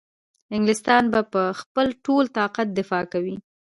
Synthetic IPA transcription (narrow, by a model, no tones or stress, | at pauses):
ɪŋɡlɪst̪ɑnbapəxpəlʈolt̪ɑqat̪̚d̪ɪfɑkawi